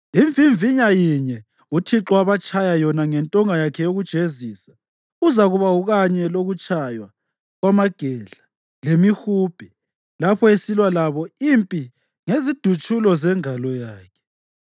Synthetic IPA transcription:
iɱvʱiɱviɲajiɲɛ | utʰiǁɔaβat͡ʃʼʰajajɔnaŋɛntʼɔŋajakʰɛjoɣud̥ʒ̥ʱezisḁ | uzaɣuβauɣaɲɛloɣut͡ʃʼajwa | ɣwamaɡ̥ʱɛɮa | lemixuːb̥ʱi | lapʰɔesilwalaβɔimpʼi | ŋezid̥ʱut͡ʃʰʼulɔzɛŋalɔjaːkʰɛ̥

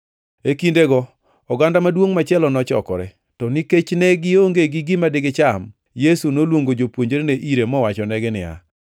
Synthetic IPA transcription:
ekindeɡɔ | ɔɡandamadwoŋmat͡ʃɛlɔnɔt͡ʃɔ̰kɔɾɛ̰ | tɔnɪket͡ʃneɡɪoŋɡeɡɪɡɪmadɪɡɪt͡ʃam | jesunolwoŋɡod͡ʒopwoɲd͡ʒeɾeneʔiɾemɔwat͡ʃɔnɛɡɪnɪa̰

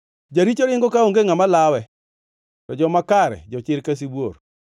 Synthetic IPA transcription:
d͡ʒaɾit͡ʃoɾɪŋɡɔkaoŋɡeŋamalawɛ | tɔd͡ʒɔmakaɾɛ̰d͡ʒɔt͡ʃɪɾkas̬ibwor

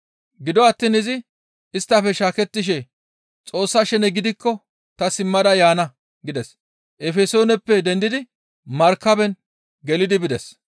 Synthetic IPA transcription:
ɡɪd̪ɔɐt̪ːiːnɪzɪ | ɪst̪ːɐfɛʃaːkɛt̪ːɪʃ̬ɛ | t͡sʼo̞ːsːɐʃɛnɛɡɪd̪ɪkːɔ | t̪ɐsɪmːɐd̪ɐjaːnɐ | ɡɪd̪ɛs | ʔɛfɛso̞ːnɛpːɛd̪ɛnd̪ɪd̪ɪ | mɐɾkːɐbɛn | ɡɛlɪd̪ɪbɪd̪ɛs

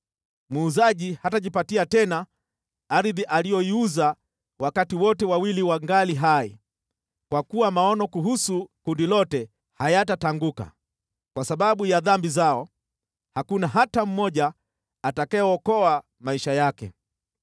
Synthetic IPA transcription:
muːzaʄihataʄipatiatɛna | aɾðiʔalijɔiuza | wakatiwɔtɛwawiliwaŋɡaliɦaḭ | kwakuwamaɔnɔkuɦusukundilɔtɛ | hajatataŋɡuka̰ | kwasaɓaɓujaðambizaɔ | hakunaɦatam̩mɔʄaː | takajɔɔkɔa | maiʃajakɛ̰

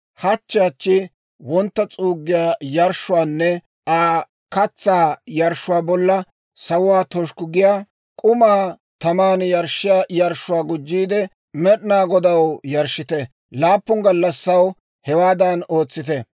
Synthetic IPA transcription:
hɐt͡ʃːɪjɐt͡ʃːɪ | wɔnt̪ːɐt͡sʼuːɡːɪjaːjɐɾʃʊwaːnːɛ | aː | kɐt͡sːaːjɐɾʃʊwaːbɔlːɐ | sɐwʊwaːt̪ɔʃkʊɡɪjaː | kʼʊmaː | t̪ɐmaːnjɐɾʃɪjaːjɐɾʃʊwaːɡʊd͡ʒːiːd̪ɛ | mɛɗnaːɡɔd̪ɐwjɐɾʃːɪt̪ɛ | laːpːʊŋɡɐlːɐsːɐw | hɛwaːd̪ɐno̞ːt͡sːɪt̪ɛ

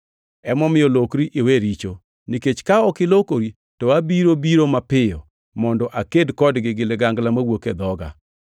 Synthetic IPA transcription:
ɛmɔmɪjɔlokɾiʔeweɾit͡ʃo | niket͡ʃkaɔkɪlokoɾi | tɔabiɾobiɾomapɪjɔ | mɔndɔʔakedkɔdɡɪɡɪleɡaŋɡlamawoked̪ɔɡa̰

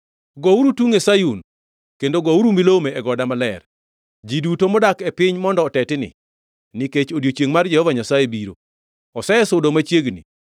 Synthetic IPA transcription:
ɡɔuɾutuŋesajun | kendoɡɔuɾumilomeɛɡɔdamalɛr | d͡ʒidutomɔdakɛpɪɲmɔndɔːtɛtɪnɪ̰ | niket͡ʃodjot͡ʃjeŋmard͡ʒɛhɔvaɲasajebiɾo̰ | ɔsɛɛsʊdomat͡ʃjeɡnḭ

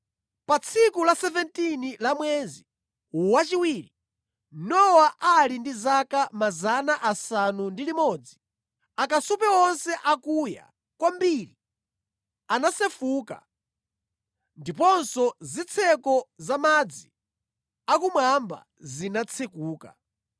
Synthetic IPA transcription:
pat͡sʰikulasɛvɛntinilamwɛzi | wat͡ʃiwiːɾi | nɔwaʔalindizakamazanaʔasanundilimɔd͡zi | akasupɛɔnsɛʔakuja̰ | kwambiɾi | anasɛfuːka̰ | ndipɔnsɔzit͡sʰɛkɔzamad͡zi | akumwamba̰ | zinat͡sʰɛkuːka̰

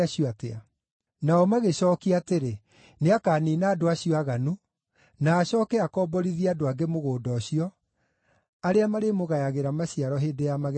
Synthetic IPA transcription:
aɕiatea | naɔmaɣeɕɔːkiateɾe | neakaːniːnaːdoaɕiɔaɣanu | naːɕɔːkɛakɔːbɔɾiðiadoaɡemoɣoːdɔɕiɔ | aɾeamaɾemoɣajaɣeɾamaɕiaɾɔɦeːdejamaɣ

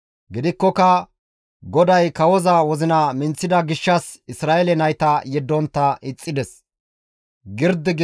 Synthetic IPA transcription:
ɡɪd̪ɪkːɔkɐ | ɡɔd̪ɐjkɐwɔzɐwɔzɪnɐmɪnt͡sːɪd̪ɐɡɪʃːɐsɪsɾaːʔɛlɛnɐjt̪ɐjɛd̪ːɔnt̪ːɐʔɪt͡sʼːɪd̪ɛs | ɡɪɾd̪ɪɡ

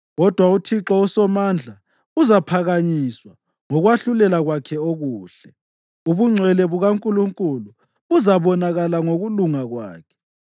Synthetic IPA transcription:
ɣɔd̥ʱwautʰiǁɔusɔmand͡ɮʱa | uzapʰaɣaɲiswa | ŋɔɣwaɬulɛlaɣwakʰɛoɣuːɬɛ | uβuŋ͡ǀʱwɛlɛβuɣaŋkʼuluŋkʼulu | uzaβɔnaɣalaŋoɣuluŋaɣwa̰ːkʰɛ̥

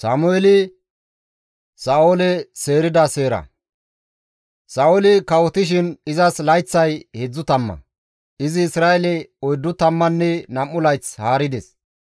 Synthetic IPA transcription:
saːmʊɛlɪ | saːwolɛse̞ːɾɪd̪ɐseːɾɐ̰ | saːʔɔlɪkɐwɔt̪ɪʃ̬ɪnɪzɐslɐjt͡sːɐjhɛd͡zːʊt̪ɐmːɐ̰ | ɪzɪːsɾaːɛlɛɔjd̪ːʊt̪ɐmːɐnːɛnɐmːʊlɐjt͡shaːɾɪd̪ɛs

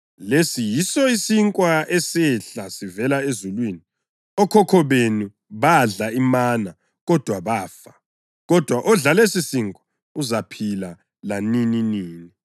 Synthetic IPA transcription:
lesijisɔisiŋkʼwaɛsɛɬasivɛlaezulwiːni | ɔkʰɔkʰɔβenu | βaɮaimaːna | ɣɔd̥ʱwaβaːfa | ɣɔd̥ʱwaʔɔɮalesisiŋkʼwḁ | uzapʰila | lanininiːni

